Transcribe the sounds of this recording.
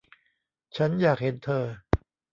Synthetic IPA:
t͡ɕʰa˦˥njaː˨˩k̚he˨˩˦nt̪ʰɤː˧

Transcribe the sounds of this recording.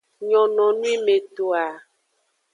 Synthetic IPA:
ɲɔ̃˨nɔ̃˨nũ˦i˦me˨t̪o˨a˨

